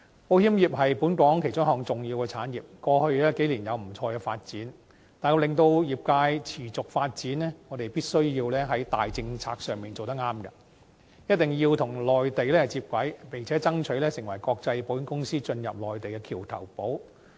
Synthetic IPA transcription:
po˨˥whiː˥mjiː˨˩p̚ɦɐ˨jpuː˨˥nkɔː˨˥ŋkʰe˨˩jt͡ʃʊ˥ŋɦɔː˨ŋt͡sʊ˨ŋjiː˧wkɛ˧t͡sʰaː˨˥njiː˨p̚kɔː˧hɵ˧ɥɛː˥ke˨˥jliː˨˩njɐ˨˧wm̩˨˩t͡sʰɔː˧kɛː˧fa̰ː˧t̚t͡siː˨˥n | t̪aː˨jko˧lɪ˨ŋt̪o˧wjiː˨˩p̚kaː˧jt͡sʰiː˨˩t͡sʊ˨k̚faː˧t̚t͡siː˨˥nlɛː˥ŋɔː˨˧˥t̪e˨jpiː˥t̚sɵ˥ɥjiː˧wlɛː˥ɦɐ˨˥jt̪a̰ː˨jt͡sɪ˧ŋt͡sʰa̰ː˧k̚sœː˨ŋmiː˨nt͡so˨wt̪̬ɐ˥k̚ŋaː˥mkɐ˧ | jɐ˥t̚t̪ɪ˨˩ŋjiː˧wt̪ʰʊ˨˩ŋlɔː˨jt̪e˨jlɛː˥˨t͡siː˧p̚kʷwɐ˨˥jpɪ˨ŋt͡sʰɛː˨˥t͡sɐ˥ŋt͡ʃʰɵ˨˥lɛː˥sɪ˨˩ŋwɐ˨˩jkɔː˧k̚t͡sɐ˧jpo˨˥jɪ˧˥ŋkʊ˥ŋsiː˥t͡ʃɵ˧njɐ̰˨p̚lɔː˨jt̪e˨jkɛ˧kʰiː˨˩wt̪ʰɐ̰˨˩wpo˨˥w

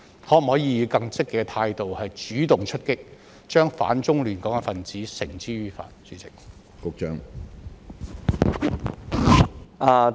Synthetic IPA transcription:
hɔː˨˥˨hɔː˨˥jiː˧ji˨˧wkɐ˧ŋt͡sɪ˥kːɛː˧t̪ʰaː˧jt̪o˨whɐ˨jt͡ʃyː˨˥t̪ʊ˨˩ŋt͡ʃʰɵ˥t̚kɪ˥k̚ | t͡ʃœː˥ŋfa̰ː˨˥nt͡sʊ˥ŋlyː˨˩nkɔː˨˥ŋɛ˧fɐ˨nt͡siː˨˥sɪ˨˩ŋt͡siː˥ɥyː˧fa̰ː˨t̚t͡syː˨˥t͡sɪ˨k̚ | kʊ˧k̚t͡ʃœː˥ŋ | ʔaː˧

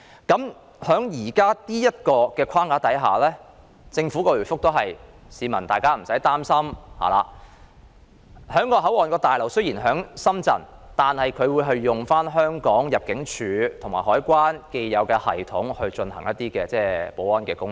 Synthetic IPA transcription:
kɐ˨˥m | hœː˨˥ŋjiː˨˩kaː˥t̪iː˥jɐ˥t̚kɔː˧kɛː˧kʰaː˥ŋkaː˨˥t̪ɐ˨˥jɦaː˨˩lɛː˥ | t͡sɪ˧ŋfuː˨˥kɔː˧lyː˨˩fʊ˥k̚t̪o˥wɦɐ˨j | siː˨˧mɐ˨˩nt̪aː˨jkaː˥m̩˨˩sɐ˨˥jt̪aː˥msɐ˥mha̰ː˨˩la̰ː˨ | hœː˨˥ŋkɔː˧ɦɐ˨˥wɔː˨nkɔː˧t̪aː˨jlɐ˨˩wsɵ˥jiː˨˩nɦœː˨˥ŋsɐ˥mt͡sɐ̰˨˩nt̪aː˨nhɐ˨jkʰɵ˨˧ɥwuː˨˧jɦɐ˨˧jːʊ˨ŋfaː˥nɦœː˥ŋkɔː˨˥ŋjɐ˨p̚kɪ˨˥ŋt͡ʃʰyː˨˧t̪ʰʊ˨˩ŋmaː˨˩hɔː˨˥jkʷaː˥nke˧jːɐ˨˧wkɛː˧hɐ̰˨˩jt̪ʰʊ˨˥ŋhɵ˧ɥt͡ʃɵ˧nɦɐ̰˨˩ŋjɐ˦˥t̪̚iː˥kɛː˧t͡sɛː˥po˨˥wɐː˥nkɛː˧kʊ˥ŋ

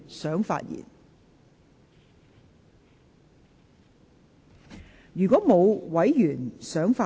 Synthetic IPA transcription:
sœː˨˥ŋfa̰ː˧t̚jḭ˨˩n | jyː˨˩kɔː˨˥mo˨˧wwɐ˨˥jjyː˨˩nsœː˨˥ŋfaː˧

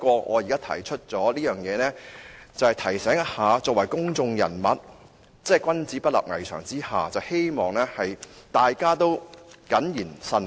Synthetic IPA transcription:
kʷɔː˧ŋʔɔ̰ː˨˧jiː˨˩kaː˥t̪ʰɐ̰˨˩jt͡ʃʰɵ˥t̚t͡sɔː˨˥liː˥jœː˨˩ŋjɛː˨˧nɛː˥t͡sɐ˨whɐ˨jt̪ʰɐ˨˩jsɛː˨˥ŋɐ˥haː˨˧t͡sɔː˨k̚wɐ˨˩jkʊ˥ŋt͡sʊ˧ŋjɐ̰˨˩nmɐ˨t̚ | t͡sɛː˥˩kʷwɐ˥nt͡siː˨˥pɐ˥t̚lɐ̰˨p̚ŋɐ̰˨˩jt͡ʃʰœː˨˩ŋt͡siː˥haː˨t͡sɐ˨˧whe˥jmɔː˨˩ŋlɛː˥hɐ˨jt̪aː˨jkaː˥t̪o˥wkɐ˨˥njiː˨˩nsɐ˧n

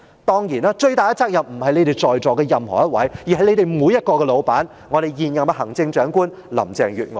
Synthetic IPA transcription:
t̪ɔː˥ŋjiː˨˩naː˦˥t͡ʃɵ˧ɥt̪aː˨jɐ˥t͡saː˥k̚jɐ˨p̚m̩˨˩hɐ˨jle˧jt̪e˨jt͡sɔː˨jt͡sɔː˨kɛː˧jɐ˨mhɔ̰ː˨˩jɐ˥t̚wɐ̰˨˥jjiː˨˩ɦɐ˨jle˨˧jt̪e˨jmuː˨˧˥jɐ˥t̚kɔː˧kɛ˧lo˨˧wpaː˨˥n | ŋɔː˨˧ɾe˨jjiː˨njɐ˨mɐ˧hɦɐ˨˩ŋt͡sɪ˧ŋt͡ʃœː˨˥ŋkuː˥n | lɐ̰˨˩mt͡sɛː˨˩ŋjyː˨˩t̚ŋɔː˨

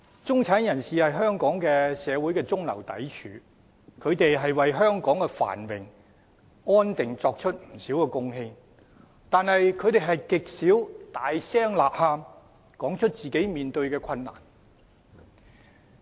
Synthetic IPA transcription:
t͡sʊ˥ŋt͡sʰaː˨˥njɐ˨˩nsiː˨hɐ˨jɦœː˥ŋkɔː˨˥ŋkɛː˧sɛː˨˧wu˨˥jkɛː˧t͡sʊ˥ŋlɐ̰˨˩wt̪ɐ̰˨˥jt͡ʃʰy̰ː˨˥ | kʰɵ˨˧ɥt̪e˨jɦɐ˨jwɐ˨jɦœː˥ŋkɔː˨˥ŋkɛ˧fa̰ː˨˩nwɪ˨ŋ | ɔː˥nt̪ɪ˨ŋt͡sɔː˧k̚t͡ʃʰɵ˥t̚m̩˨˩siː˨˥wkɛː˧kʊ˥ŋɦɪ˧ŋ | t̪aː˨nhɐ˨jkʰɵ˨˧ɥt̪e˨jɦɐ˨jkɪ˨k̚siː˨˥wt̪aː˨jsɛː˥ŋlaː˨p̚haː˧m | kɔː˨˥ŋt͡ʃʰɵ˥t̚t͡siː˨ke˨˥jmiː˨nt̪ɵ˧ɥkɛː˧kʰɐ˧nːa̰ː˨˩n

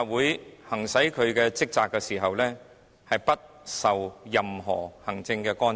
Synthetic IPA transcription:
wuː˨˧jhɐ˨˩ŋsɐ˨˥jkʰɵ˨˧ɥkɛː˧t͡sɪ˥k̚t͡saː˨kːɛ˧siː˨˩ɦɐ˨wlɛː˥ | hɐ˨jpɐ˥t̚ | sɐ˨wjɐ˨mɦɔ̰ː˨˩hɐ˨˩ŋt͡sɪ˧ŋkɛ˧kɔː˥n

